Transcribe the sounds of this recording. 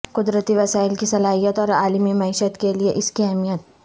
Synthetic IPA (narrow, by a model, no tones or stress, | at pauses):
qʊd̪ɾət̪iʋɐsaːɪlkisɐlaːɦijət̪ɔːɾaːlmimɐiːʃət̪kelieʔɪskiɛɦmijət̪̚